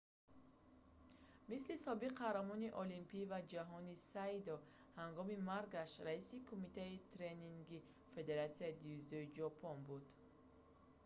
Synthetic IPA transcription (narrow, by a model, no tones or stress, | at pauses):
mislisɔbiqʰːahɾamɔniʔɔlimpʰivad͡ʒaɦɔnisaid̪ɔ | haŋɡɔmimaɾɡaʃɾaisikʰumit̪ait̪ʰɾeniŋɡi | fe̞d̪e̞ɾat̪siaid̪iuzd̪ɔid͡ʒɔpʰɔnbud̪